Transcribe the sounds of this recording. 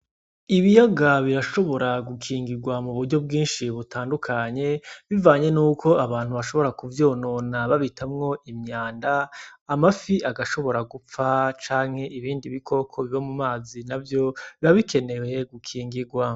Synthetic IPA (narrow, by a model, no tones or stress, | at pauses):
iβijaɡaβiɾaʃo̞βo̞ɾaɡukʰiːŋɡiɡwamuβuɾɟo̞b̚ɡĩːnʃiβutaːndukʰaɲe̞βivaːɲe̞nuːkʰo̞aβaːn̥huβaʃo̞βo̞ɾakuvjoːnoːnaβaβitʰamŋo̞ʔimɲaːndaːmafiʔaɡaʃo̞βo̞ɾaɡup͡fat͡ʃaːŋ̥he̞ʔiβiːndiβikʰo̞kʰo̞βiβamumaːzinavjo̞βiβaβikʰe̞ne̞we̞ɡukʰiːŋɡiɡwa